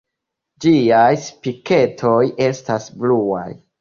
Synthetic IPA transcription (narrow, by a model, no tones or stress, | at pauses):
d͡ʒiajspike̞tʰo̞je̞stasblua̰j